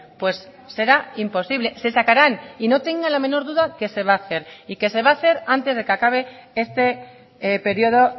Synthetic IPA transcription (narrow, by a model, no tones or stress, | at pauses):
pwe̞sː | e̞ɾaimpo̞siβle̞se̞sakaɾanino̞t̪e̞ŋɡalamẽ̞no̞ɾðuðake̞se̞β̞aːθe̞ɾike̞se̞βaːθe̞ɾant̪e̞zð̞e̞kakaβ̞e̞est̪e̞ | pe̞ɾjio̞ð̞o̞